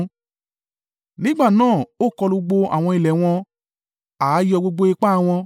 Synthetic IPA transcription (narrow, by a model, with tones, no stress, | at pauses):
nĩ˦ɡ͡ba˦˨nãː˦˨o˦˨kɔ˧lo˧ɡ͡bo˧a̰˨w̃ɔ̃˧i˨lɛ˨w̃ɔ̃˧ | a˨˦jɔ˧ɡ͡bo˧ɡ͡bo˧e˧k͡pa˦˨w̃ɔ̃˧